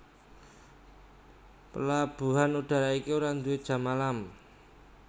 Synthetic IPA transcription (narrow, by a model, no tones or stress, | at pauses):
pəlab̥ṳɦanuɖ̥a̤ɾaikiuɾand̪ue̥ʒ̥a̤malam